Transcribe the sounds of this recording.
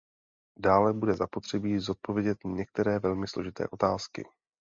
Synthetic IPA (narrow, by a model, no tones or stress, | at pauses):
daːlɛbudɛzapot̪r̝̥ɛbiːzo̞t̪̚po̞vjɛɟɛt̪ɲɛk̚t̪ɛɾɛːvɛlmɪslo̞ʒɪt̪ɛ̰ːʔo̞t̪aːskɪ̰